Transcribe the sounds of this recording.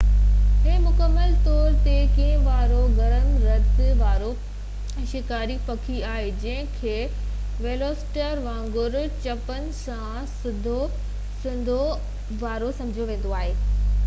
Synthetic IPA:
ɪ̃ɦmʊkəmːəlt̪ɔːɾt̪ekiːɦə̃ʋaːɾoɡɐɾəmɾɐt̪ʋaːɾo | ʃɪkaːɾipɐkʰiaːɦed͡ʑɐ̃ɦɪ̃kʰeː | ʋeːloːsʈəɾʋãːŋɡʊɾt͡ɕɐpənɪ̆sã | sɪd̪ʱo | sɪ̃nd̪ʱo | ʋaːɾosɐ̃md͡ʑʱijoʋẽːn̆d̪oaːɦeː

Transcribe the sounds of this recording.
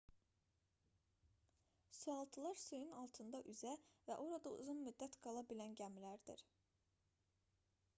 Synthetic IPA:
suɑlˠt̪ʰɯlˠɑɾsujunɑlˠt̪ʰɯnd̪ɑʔyzævæ̰ʔo̞ɾɑd̪ɑṵzunmyd̪ːæt̪ɡ̥ɑlˠɑbilænɟæmlæɾd̪ḭɾ

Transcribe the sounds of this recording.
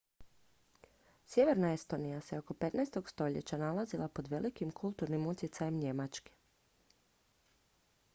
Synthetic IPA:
sʲje̞ʋe̞ɾnaest̪o̞nijaseoko̞pe̞t̪naest̪o̞ɡst̪o̞ʎḛt͡ɕanalazilˠapo̞d̪ʋe̞likimkʰulˠt̪uɾnimut̪jet̪sajemɲe̞mat͡ʃke̥

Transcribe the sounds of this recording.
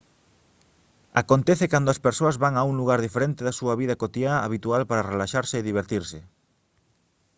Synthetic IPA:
a̰kont̪ɛθekand̪oɐspeɾsoɐzβaŋauŋluɣaɾðifeɾent̪eðasuɐβiðɐkot̪iaːβit̪ualpaɾarelaʃaɾseːðiβ̞eɾt̪iɾsɪ

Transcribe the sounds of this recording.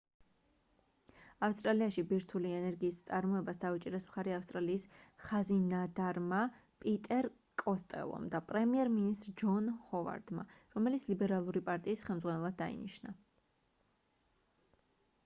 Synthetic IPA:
afst̪ʼɾaliaʃibiɾt̪ʰuliɛnɛɾɡiːst̪sʼaɾmɔɛbasd̪aut͡ʃʼiɾɛsmχaɾɛafst̪ʼɾaliːsχazinad̪aɾmapʼit̪ʼɛɾ | kʼɔst̪ʼɛ̰lˠɔ̰md̪apʼɾɛmiɛɾminist̪ʼɾd͡ʒɔnhɔva̰ɾd̪ma̰ɾɔmɛlit̪sʰlibɛɾalˠuɾipʼaɾt̪ʼiːsχɛlˠmd̪zʁanɛlˠad̪ːa̰ḭnḭʃna

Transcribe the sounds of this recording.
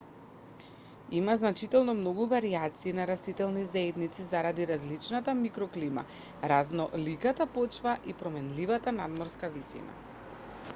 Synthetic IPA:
imaznat͡ʃit̪ɛlˠnɔmnɔɡuvaɾiat̪siːnaɾast̪it̪ɛlˠnizaɛd̪nit̪sizaɾad̪iɾazlit͡ʃnat̪amikɾɔklima̰ | ɾaznɔlikat̪apɔt͡ʃvaʔipɾɔmɛnlivat̪anad̪mɔɾskavisḭna̰

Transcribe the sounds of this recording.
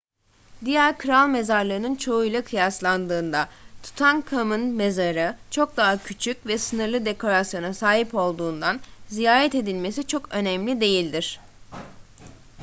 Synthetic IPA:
d̪ijæɾkʰɯɾalˠme̞zaɾlˠaɾɯnɯnt͡ʃʰo̞ujlˠakʰɯjaslˠand̪ɯːnd̪at̪ʰu̥t̪ʰankʰamɯnme̞zaɾɯt͡ʃʰo̞k̚d̪aɦacʰyt͡ʃʰycʲvɛsɯnɯɾlˠɯd̪e̞kʰo̞ɾasjo̞nasaːɦipo̞lˠd̪uːnd̪anzijaːɾɛt̪e̞d̪ilʲme̞s̬it͡ʃʰo̞kø̞nɛmlʲid̪e̞jilʲd̪iɾ̝̥

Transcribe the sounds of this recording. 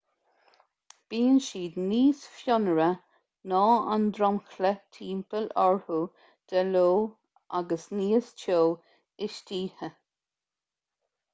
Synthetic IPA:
b̥iːənʃiːd̪niːsfjɔnəɾə | nɔːand̪ɾɔmxlət̪ʰiːmpəlɔɹhu | d̪̥ɛloː | a̰ɡəsniːəst͡ʃʰoː | ɪʃtiːhə

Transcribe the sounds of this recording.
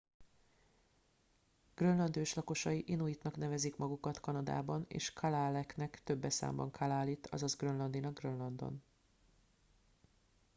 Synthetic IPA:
ɡ̥rønlɒnd̪øːʃlɒko̞ʃɒjiʔinuit̪nɒknɛvɛzikmɒɡukɒt̪kɒnɒd̪a̰ːbɒnḛːʃkʰɒlaːlɛknɛkt̪øbːɛsa̰ːmbɒ̰ŋkʰɒlaːliːt̪ɒ̰zɒzɡrønlɒnd̪inɒɡrønlɒnd̪o̞̰n

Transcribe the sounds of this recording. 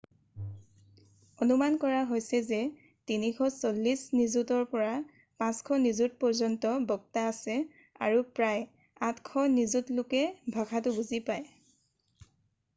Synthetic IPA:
ɔnumankɔɹaɦojsɛzɛ | tinikʰɔsolːisnizutɔɹpɔɹa | pãskʰɔnizut̚pɔɹzɔntɔbɔɡ̚taːsɛ | a̰ɹupɹaj | atkʰɔnizutlʊkɛbʱakatʊbuzipaj

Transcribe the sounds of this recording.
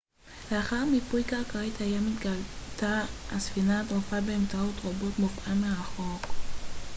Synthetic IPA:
leaχaʁmipujkaʁkaʁit̪hajamit̪ɡalt̪aasfinat̪ʁofabeːmt͡saot̪ʁabo̞t̪mofʔameʁaχok

